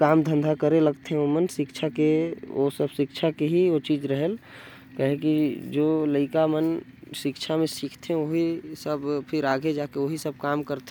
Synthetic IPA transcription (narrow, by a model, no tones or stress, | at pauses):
kaːmd̪ʱə̃nd̪ʱakəɾeləɡt̪eɦɛ̃omənsɪkt͡ʃʰakeosəbʃɪkt͡ʃʰakeɦiot͡ʃiːd͡ʒɾəɦəl | kəɦẽkid͡ʒoːləɪkamən | sɪkt͡ʃʰamẽsɪkʰt̪ʰeɦɛ̃oɦisəbpʰɪɾaːɡed͡ʒaːkeoɦisəb̚kaːmkəɾt̪